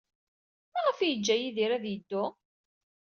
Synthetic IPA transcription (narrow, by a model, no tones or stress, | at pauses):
mæʁəfijəd͡ʒːæjiðiɾæðjəd̪ːʊ